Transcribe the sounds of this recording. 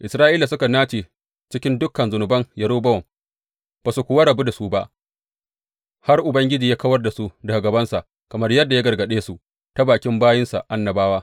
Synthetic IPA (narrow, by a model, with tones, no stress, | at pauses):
ʔɪ˨sɾaː˦ʔiː˦la˨sʊ˦ka˨naː˦t͡ʃeː˨ | t͡ʃɪ˦kʲɪ˦ndʊ˦kːɐ˨nzʊ˨nʊ˨bɐ˦ŋjɐ˨ɽoː˦bɐ˦wɔ˨m | b̥a˨su˨kʷʊ˨wa˦ɾa˨bu˦da˨su˦ba˦ʔ | ha˦rʔʊ˨bɐ˦ŋɡʲɪ˦d͡ʒiː˨jaː˦kɐ˦wɐ˦rda˨su˦da˨ɡa˨ɡɐ˨bɐ˦nsa˨ʔ | kɐ˨mɐ˦rjɐ˦dːja˦ɡɐ˨rɡɐ˨ɗeː˦su˨ʔ | ta˦baː˨kʲɪ˦mbaː˦jɪ˦nsa̰˨ʔa˦nːɐ˨baː˦waː˦